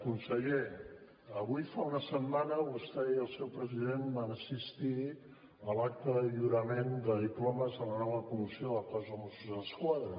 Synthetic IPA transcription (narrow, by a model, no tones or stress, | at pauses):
kunsəʎe | əβujfaunəsəmːanəβust̪ɛiəlˠsɛwpɾəziðenbanəsist̪i | əlak̚t̪əðəʎuɾəmend̪əðiplɔməzələnɔβəkumisioðəkazəmosuzələskwaðɾə